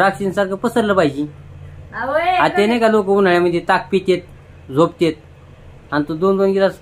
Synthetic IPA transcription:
ɾakɕinsaɾkəpəsəɾləpajd͡ʑi | at̪enekalok̬əunaɭjaməd̪ʱjet̪ak̚ʰpit̪ʲet̪̚ | d͡zʱopt̪et̪̚ | ant̪ud̪ond̪onɡilas

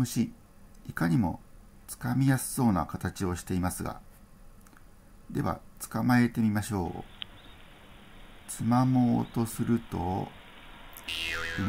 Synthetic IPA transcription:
mɯ̟ɕi | ikaɲ̟imo̞̰ | t͡sɨ̥kamʲijasɨ̥so̞ːna̰kat̪at͡ɕio̞ɕi̥t̪e̞imasɨɡa̰ | d̪e̞βa̰t͡sɨ̥kamae̞t̪e̞mʲimaɕo̞̰ː | t͡sɨmamo̞ːt̪o̞sɨɾɯ̟t̪o̞̰

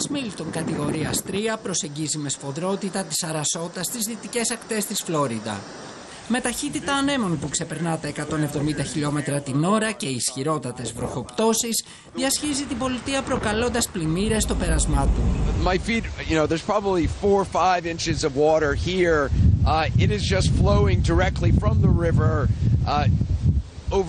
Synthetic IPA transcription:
smilit̪o̞ŋkɐt̪iɣo̞ɾiɐst̪ɾiɐpɾo̞se̞ɲɟizime̞sfo̞ðɾo̞t̪it̪ɐt̪i̥sɐɾɐso̞t̪ɐst̪izðit̪ice̞sɐkt̪e̞st̪isflo̞ɾid̪ɐ̰ | me̞t̪ɐçit̪it̪ɐːne̞mo̞npukse̞pe̞ɾnɐt̪ɐekɐt̪o̞ne̞vðo̞mind̪ɐçiʎo̞me̞t̪ɾɐt̪ino̞ɾɐce̞isçiɾo̞t̪ɐt̪e̞zvɾo̞ço̞pt̪o̞siz | ðiɐsçizit̪ibo̞lit̪iɐpɾo̞kɐlo̞nd̪ɐsplimiɾe̞st̪o̞pe̞ɾɐzmɐt̪umaɪfitjɨnoʊðə˞z̥pʰɹ̥ɑbəblifɔɹfaɪvɪ̃nt͡ʃɨzʌvwɔɾə˞hiɹ | ɪɾɨzd͡ʒʌstfloʊɪ̃ŋdə˞ɛk̚tˡlifɹʌ̃mðəɹɪvə˞ | oʊv

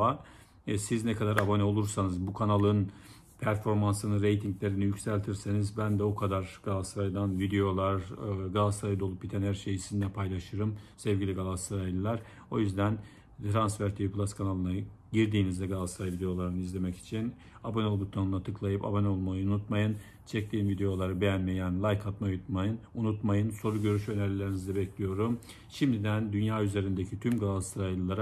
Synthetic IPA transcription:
a | siznɛkʰad̪aɾabo̞nɛo̞lˠuɾsanɯzbukʰanalˠɯn | pʰæɾfo̞ɾmansɯnɯnɾejt̪ʰiŋɟlʲe̞ɾinijycʲsælʲt̪ʰiɾsenizbænd̪ɛokʰad̪aɾɡ̥alˠasɾajd̪anvid̪e̞jo̞lˠaɾɡalˠast̪ɾajd̪o̞lˠupbit̪ʰænhæɾʃejisinilʲɛpʰajlˠaʃɯɾɯmsɛvɟʲilʲiɡalˠast̪ɾaj̪lˠaɾ̥ | o̞jyzd̪æn | t̪ʰɾansfæɾt̪ʰiiplˠaskʰanalˠɯna | ɟiɾd̪iːnizd̪ɛɡalˠast̪ʰɾajvid̪e̞jo̞lˠaɾɯnɯizlʲe̞mɛci̥t͡ʃʰin | abanolˠbut̪ʰanɯnat̪ʰɯklˠajɯpa̰banolˠmajɯnunut̪majɯn | t͡ʃʰɛc̚t̪ʰʲiːnvid̪e̞jo̞lˠaɾɯbejænmejænlˠajkʰat̪mauut̪majɯnunut̪majɯnso̞ɾuɟø̞ɾyʃø̞nɛlʲilːʲeɾinizd̪ɛbɛclʲijo̞ɾum | ʃimd̪id̪ænd̪ynjaːyze̞ɾind̪ecʰit̪ʰymɡalˠast̪ʰɾalʲɯlˠaɾa

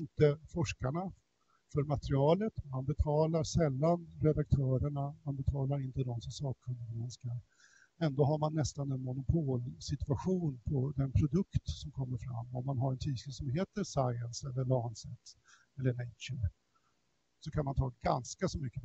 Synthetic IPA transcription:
ɪnt̪əfɔʂkaɳa | fœɾmat̪ɾɪɑːlət̪manbɛt̪ʰɑːlaɾsɛlːanɾɛd̪ak̚t̪ʰœːɾəɳamanbɛt̪ʰɑːlaɾɪnt̪əd̪ɔmsɔmsɑːkʰɵnd̪əɡɾɛnskaɾ | ɛnd̪oːɦaɾmanːɛst̪anɛnmʊnʊpʰoːlsɪt̪vaɧuːnpʰɔd̪ɛnpʰɾʊd̪ɵkt̪sɔmkʰɔmːəɾfɾa̰mːɔmːanɦaɾɛnt̪ʰiːskəsɔmɦeːt̪əɾsajənsɛlːəɭɑːnsɛt̪ː | ɛlːəɳɛt͡ʃə | sɔkʰanmant̪ʰɑːɡa̰nskasɔmʏkːə

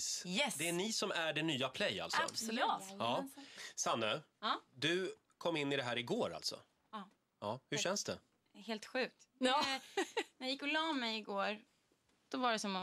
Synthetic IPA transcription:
sɛd̪ɛæɳɪsɔmæɖɛnyːapʰlɛjːa̰lt̪sɔ̰ | ɑːsanːəd̪ɵ | kʰɔmːɪnːɪd̪ɛɦæːɾɪɡoːɾa̰lt̪sɔ̰ | ɑːhɵɕɛnsd̪ɛ | heːlt̪ɧʉ̟ːk̚t̪ | næjajɪkːɔlɑːmɛjɪɡoːɾ | d̪̥ɔvaɖɛsɔm

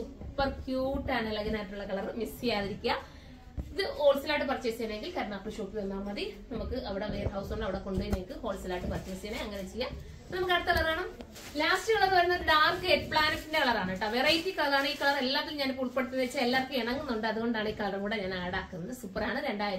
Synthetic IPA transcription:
supːɐrkjuːʈːaːnelɐɣɐnaːjiʈːuɭːɐkɐɭɐrmist͡ɕijaːðiɾikʲːua | iðɨho̞ːlsɨlaːʈ̬ːɨpɐrt͡ɕːesijaːnaeŋɡilkɐɾɐɳaːpːrɨɕoːkːiðɐnːaːmɐðinɐmukːɨɐʋiɽeʋeːrhɐwsoɳːɐʋiɽeko̞ɳɖuinekːɨho̞ːlsɐlaːʈːɨpɐrt͡ɕːʋesiɐːneɐŋːɐnet͡ɕijːa | pnɐmukːɐɽɐt̪ːɐkɐɭɐraːɳum | laːstɨɐɭːɐnːɨʋɐɾunːɐðɨɖaːrkeːʈpɭaːnɐʈːinde̞kɐɭɐraːɳɨiʈːɐʋerɐjt̪ːiːkɐɭɐɾaːɳɨiːkɐɭɐre̞lːaːʋilmɲaːnpuːlt̪peɽut̪̬ːɐðet͡ɕːelːarkːɨeɳɐŋːunːuɳɖɨɐðuɣo̞ɳɖaːɳɨiːkɐɭɐrɣuːɽeɲaːnaːɽaːkːunːɐðɨsupːɐraːɳɨɾe̞ɳɖaːjiɾ

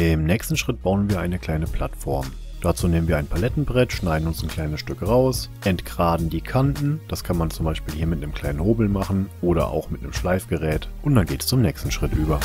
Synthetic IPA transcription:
ɪmnɛːkstn̩ʃʁ̥ɪt̚b̥aʊənviːɐʔaɪnəkl̥aɪnəpʰl̥a̰tfɔɐm | d̥at͡suːneːmənviːɐaɪnpʰalɛtn̩bʁɛtʃnaɪdn̩ʊnsnkʰl̥aɪnəsʃtʏkʁaʊsʔɛntɡ̥ʁaːdn̩diːkʰantn̩d̥askʰanmant͡sʊmbaɪʃpiːlhiːɐmɪtnəmkʰl̥aɪnənhoːbl̩maχn̩ʔoːɾɐ̰ʔa̰ʊxmɪtnəmʃlaɪfɡ̥əʁɛːtʔʊnt̚d̥anɡeːtɛ̥st͡sʊmnɛːkstn̩ʃʁ̥ɪtʔyːbɐ

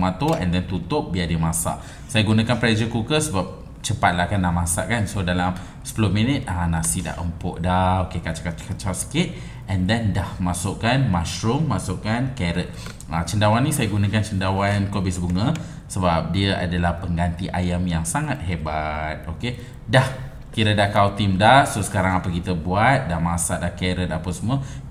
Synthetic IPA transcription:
mat̪oʔɛ̃ndɛnt̪ut̪ʊp̚biadimãsa̰ʔ | sajaɡunãkanpɾɛd͡ʒəkukəsəbap̚ | t͡ʃəpat̪̚lahkanːamãsa̰ʔkansodalam | sə̥pəlʊminət̪̚anãsida̰ʔəmpɔʔdahokekat͡ʃakkat͡ʃalsə̥kɪt̪̚ | ʔɛndɛndahmasʊʔkanmaʃɾʊmmasʊʔkankɛɾət̪̚ | at͡ʃəndawanːĩsajəɡunakant͡ʃəndawankobɪsbuŋə̃ | səbap̚diəʔa̰dalahpəŋɡant̪iʔajamjaŋsaŋat̪̚hebat̪̚oke | dah | kiɾədaʔkawt̪imdahsosə̥kaɾaŋapəkit̪əbuat̪̚damasadahkɛɾət̪̚apəsmə

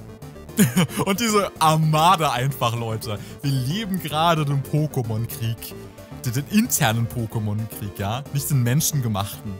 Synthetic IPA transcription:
ʔʊnt̚d̥iːzəʔamaːdəʔaɪnfaχlɔʏtʰəv̥iːɐleːbm̩ɡəʁaːdədeːmpʰoːkəmɔnkʁ̥iːk | d̥deːnʔɪntʰɛɐnənpʰoːkəmɔnkʁ̥iːkjaːnɪçtd̥eːnmɛnʃn̩ɡəmaχtn̩

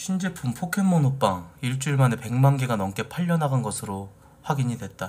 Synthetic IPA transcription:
ɕʰind͡ʑe̞pʰumpʰokʰe̞nmonop͈aŋiɭt͡ɕ͈uɭmane̞pe̞ŋmanɡeɡanʌŋk͈e̞pʰaʎːʌnɦaɡanɡʌsʰɯɾo | ɸwaɡiɲidwe̞t̚t͈a

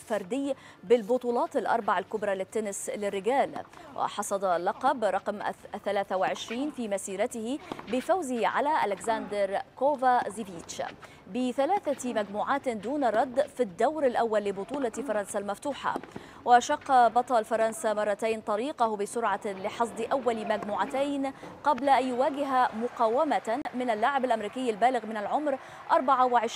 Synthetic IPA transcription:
fɑɾˤd̪ɪjː | bɪlbʊt̪ˤuːlɑːt̪ɪlʔɑ̰ɾˤbɑʕalkʊbɾˤɑlɪt̪ːʊnɪslɪrːɪɡaːlwʔɪ̰ħɑsˤɑd̪ˤɑlɑqɑbɾˤɑqmθːalaːθawɪʕɪʃɾiːnfiːmasiːɾat̪ɪhɪbɪfawzɪhʕa̰laʔalɪɡzand̪ɪɾkoːvazɪviːt̪t͡ʃ | bɪθalaːθamad͡ʒmuːʕaːt̪d̪uːnɾˤɑd̪ːfid̪ːawɾalʔawːalːɪbʊt̪ˤuːlɑfɑɾˤɑnsalmaft̪uːħa̰ | waʃɑqːɑbɑt̪ˤɑːlfɑɾˤɑnsamɑrˤːɑt̪ajnt̪ˤɑɾiːqahbɪsʊɾʕɑlɪħɑs̬ˤd̪ˤɨʔawːalmad͡ʒmuːʕat̪ajnqɑblaʔanjʊwaːɡɪɦamʊqɑːwamamɪnalːaːʕɪbalʔamɾiːkɪjːalbaːlɪɣmɪnalʕʊmɾ | ʔɑɾˤbaʕawɪʕɪʃ

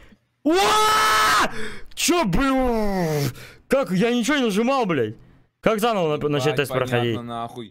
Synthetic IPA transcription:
o | t͡ɕobɨ | kakjanʲɪt͡ɕɪvonɪnəʐɨmalˠblʲejʲ | kakzanəvnnɐt͡ɕɛt̪asʲpɾəxɐdʲitʲ

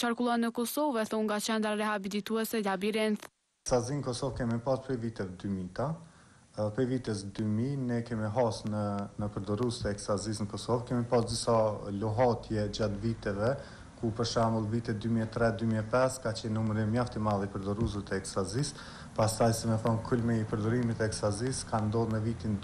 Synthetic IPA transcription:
t͡ʃaɾkulˠɔnːəkɔsɔvɛθɔŋɡat͡ɕɛnd̪ɾaɾɛhabilit̪uɛsɛlabiɾɛnt̪ | ɛsazinəkɔsɔvkɛmipaspɾɛvit̪ɛvɛd̪ymit̪a | pɾɛvit̪ɛs̬d̪yminɛkɛmiɦasnənəpəɾd̪ɔɾust̪ɛɛkst̪azisnəkɔsɔvkɛmipasd̪isaluɦat̪jɛd͡ʑat̪vit̪ɛvɛ | kupəɾʃaməlˠvit̪ɛd̪ymiɛt̪ɾɛd̪ymiɛpɛskat͡ɕɛnːumɾimjaft̪imalˠipəɾd̪ɔɾuz̬ət̪ɛɛkst̪azis | past̪ajsɛmɛθɔnkʰulmɛipəɾd̪ɔɾimit̪ɛɛkst̪aziskand̪ɔðməvit̪in

